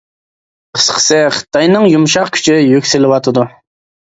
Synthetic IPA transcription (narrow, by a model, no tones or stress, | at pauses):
qʰə̥sqʰə̥sɨχə̥t̪ʰːɑjnɨŋjumʃɑqkʲʰy̥t͡ʃʰijykʲsɪlɪwɑt̪ʰɨd̪u